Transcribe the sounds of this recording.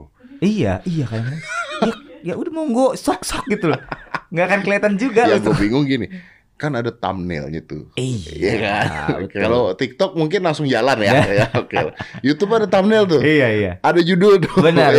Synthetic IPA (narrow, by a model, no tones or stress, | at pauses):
ija̰ijakadaŋajajaudahmaŋɡosɔksɔk̚ɡit̪ulŋɡakankəliat̪and͡ʒuɡajaɡuabiŋʊŋɡini | kanadat̪a̰mnɛ̰lɲa̰t̪ṵijjakan̰kalot̪ik̚t̪ɔk̚muŋkɪnlaŋsʊŋd͡ʒalanjajaokela̰jut̪upadat̪amnɛlt̪ʊijaija̰adad͡ʒudodobənar